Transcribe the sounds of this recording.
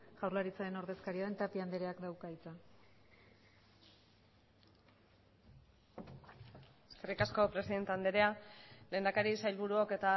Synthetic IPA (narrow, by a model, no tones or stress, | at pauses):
ɣ̥awɾlaɾit͡saeno̞ɾðe̞skaɾiaðe̞nt̪apiand̪eɾe̞akd̪awkait͡sa | eskerikasko̞pɾe̞siðe̞nt̪eand̪eɾeale̞ːnd̪akaɾisajlβuɾuoke̞t̪a